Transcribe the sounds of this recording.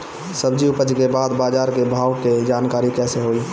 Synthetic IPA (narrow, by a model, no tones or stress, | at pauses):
səbd͡ʒiʊpəd͡ʒkebaːd̪baːd͡ʒaːɾkebʱaːʊked͡ʒaːnkaːɾikɛːseɦoːi